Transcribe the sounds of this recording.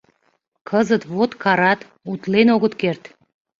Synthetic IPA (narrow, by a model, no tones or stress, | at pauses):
kʰəzət̪vot̪kʰɑɾɑt̪ | ut̪lenoɣət̪kert̪